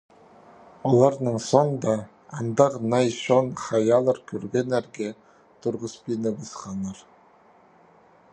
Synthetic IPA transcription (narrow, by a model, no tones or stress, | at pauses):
olˠɑɾnəɴsond̪ɑː | nd̪ɑʁnɑjʃonχɑjɑlˠəɾkʲʰɵɾɡʲenæɾɡʲe | t̪ʰʊɾʁəspinəbɑsqɑnːɑɾ